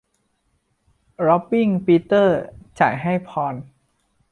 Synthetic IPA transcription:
ɾɔ˦˥pːi˥˩ŋpi˦˥t̪ɤː˥˩t͡ɕaː˨˩jɦa˥˩jpʰɔː˧n

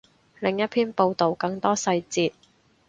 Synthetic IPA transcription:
lɪ˨˩ŋjɐ˥t̚pʰiː˥npo˧wt̪o˨wkɐ˧ŋt̪ɔː˥sɐ˧jt͡siː˧t̚

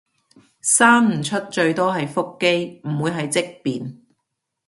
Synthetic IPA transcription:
saː˥nm̩˨˩t͡ʃʰɵ˥t̚t͡ʃɵ˧ɥt̪ɔː˥ɦɐ˨jfʊ˥kːe˥jm̩˨˩wuː˨˧jɦɐ˨jt͡sɪ˥k̚piː˨n

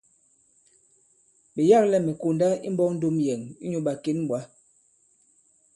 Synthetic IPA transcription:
ɓe˨ja˦˨klɛ˦mɛ˨ko˨nda˦ḭ˦m̩˦bɔ˦k̚n̩˦do˦mjɛ˨ŋi˦ɲo˦ɓa˨ke˦n˦bwa˨˦

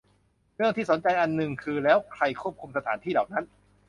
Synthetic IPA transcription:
ɾɯ˥˩əŋt̪ʰiː˥˩so˩˦nt͡ɕa˧jʔa˧nːɯ˨˩ŋkʰɯː˧lɛː˦˥wkʰɾa˧jkʰu˥˩əp̚kʰu˧msa˧t̪ʰaː˩˦nt̪ʰiː˥˩dɔː˨˩k̚na˦˥n

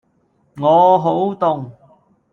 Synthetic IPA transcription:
ŋɔː˨˧ɦo˨˥wt̪ʊ˨ŋ

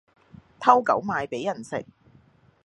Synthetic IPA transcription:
t̪ʰɐ˥wkɐ̰˨˥wmaː˨˧jpe˨˥jɐ˨˩nsɪ̰˨k̚

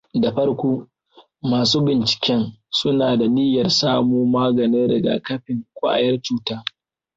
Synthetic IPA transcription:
da˨ɸɐ˦rkʷoː˦ | maː˨suː˦bɪ˨nt͡ʃɪ̥˨kʲɛ˦nsʊ˦naː˨da˨nɪ˦jɐ˨rsaː˦moː˦maː˦ɡɐ˨ni˦ɽɪ˨ɡa̰˨kɐ˦ɸɪ˨ŋkʷa̰˦ʔa̰˨jɐ˦rt͡ʃuː˦taː˦

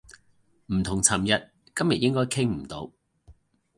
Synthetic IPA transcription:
m̩˨˩t̪ʰʊ˨˩ŋt͡sʰɐ˨˩mjɐ˨t̚ | kɐ˥mjɐ˨t̚jɪ˥ŋkɔː˥jkʰɪ˥ŋm̩˨˩t̪o˨˧˥w

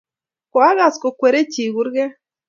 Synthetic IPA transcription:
kɔ˨a˦ɣa˨skɔ˨kwe˨ɾe˦t͡ʃi˨ɡu˦ɾɡɛ˦

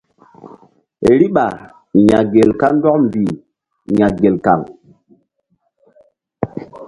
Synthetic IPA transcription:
e˨ɾi˦ɓa˨ | ja̰˨ɡe˨lka˦ndɔ˦km˨bi˨ | ja˨ɡe˨lka̰˨ŋ

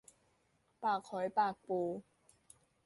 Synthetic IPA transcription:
paː˨˩kʰhɔ˨˦jpaː˥˨˩k̚po˧

